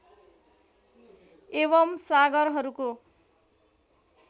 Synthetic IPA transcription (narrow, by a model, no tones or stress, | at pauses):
eβʌmsaɡʌrɦʌɾuko